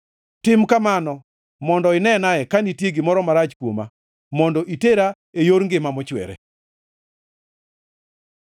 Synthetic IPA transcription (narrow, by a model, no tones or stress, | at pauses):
tɪmkamanɔ | mɔndɔɪnɛnaɛkanitjeɡɪmɔɾɔmaɾat͡ʃkwoma | mɔndɔʔiteɾa | ejoɾŋɡɪmamɔt͡ʃwɛ̰ɾɛ̰